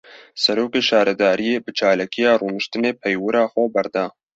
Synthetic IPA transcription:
sɛɾoːkeːʃɑːɾɛd̪aːɾijeːbɨt͡ʃʰɑːlaːkijɑːruːnɨʃt̪ɨneːpʰɛjwɨɾɑːxʷɛbɛɾd̪ɑː

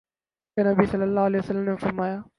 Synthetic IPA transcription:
enɐbisɐlːəlːaːɦʊɐleːəsɐlːəmnẽfɐɾmaːjaː

